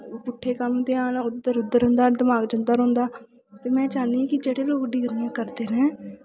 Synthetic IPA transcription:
pʊʈʰːeːkəmt̪eaːnːʊd̪ːəɾʊd̪ːəɾɦʊ̃nd̪aːd̪əmaːɡd͡ʒənd̪aːɾõːnd̪aː | t̪eːmɛ̃ːt͡ʃaːnĩːkɪd͡ʒeːɽeːloːkɖɪɡɾãːkəɾd̪eːɾɛ̃ː

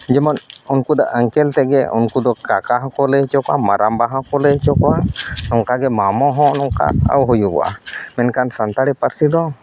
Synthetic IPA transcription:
d͡ʒɛmɔnunkud̪ɔʔəŋkɛlt̪ɛɡɛṵnkud̪ɔkakaɦɔ̃kɔlɛɦt͡ʃɔkamaɾʔambaɦãkɔlɛɦt͡ʃɔkɔwanɔŋkaɡɛmamɔɦɔ̃nɔŋka̰ə̰wɦujuɡɔ̰wa̰mɛnkansənt̪aɽipəɾsid̪ɔ

